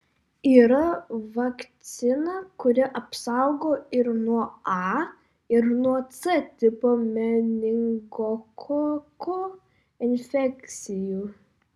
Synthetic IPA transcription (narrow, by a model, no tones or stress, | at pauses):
iːɾɐʋɐkt̪sʲɪnɐkʊɾʲɪʔɐpsɐʊɡoːɪɾnuɔɑː | ɪɾnuɔt̪sɛt̪ʲɪpoːmʲɛnʲɪŋɡokʰoko | ɪnʲfʲɛkʲt̪sʲɪjuː